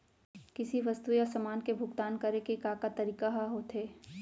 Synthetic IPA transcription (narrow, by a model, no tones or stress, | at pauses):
kɪsiʋɐst̪ujasɐmaːnkebʱʊɡt̪aːnkɐɾekekaːkat̪ɐɾiːkaɦaɦoːt̪ɦeː